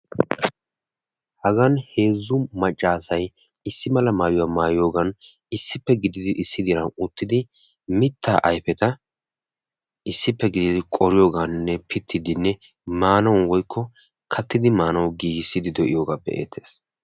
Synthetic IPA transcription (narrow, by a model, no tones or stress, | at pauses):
hɐɡɐnhe̞ːzːʊmɐt͡ʃʼːaːsɐj | ɪsːɪmɐlɐmaːjʊwaːmaːjo̞ːɡɐn | ɪsːɪpːɛɡɪd̪ɪd̪ɪʔɪsːɪd̪ɪɾɐnʊt̪ːɪd̪ɪ | mɪt̪ʰːaːʔɐjpɛt̪ɐ | ʔɪsːɪpːɛɡɪd̪ɪd̪ɪkʼɔɾɪjoːɡannːɛpʰɪt̪ʰːɪd̪ɪnːɛ | maːnɐwwɔjkʰːɔ | kʰɐt̪ːɪd̪ɪmaːnɐwɡiːɡɪsːɪd̪ɪd̪ɔʔɪ̰joːɡaːpːɛ̰ʔḛːt̪ʰːe̞̥ːs